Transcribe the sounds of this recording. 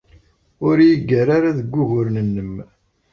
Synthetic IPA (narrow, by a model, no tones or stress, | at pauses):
ʊɾjəɡːəɾaɾaðəɡʷːʊʝʊɾnənːəm